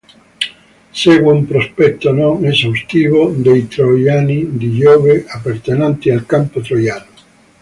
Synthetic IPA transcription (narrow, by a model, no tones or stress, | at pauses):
sɛːɡweumpɾospɛt̪ːonɔŋezawst̪iːvod̪ejt̪ɾojaːnid̪iʎɔːveʔapːert̪enant̪ialkampot̪ɾojaːno